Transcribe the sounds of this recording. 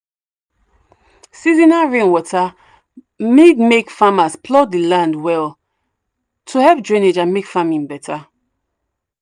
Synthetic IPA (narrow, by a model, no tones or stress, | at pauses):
sizĩnaɹẽnwɔta | midmekfamaspʰlɔdilãndwɛl | tʰuhɛvdɹĩned͡ʒãmekfamĩnbɛtʰa